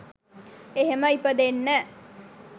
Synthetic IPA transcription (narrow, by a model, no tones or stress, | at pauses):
eɦemɐipəd̪enːæ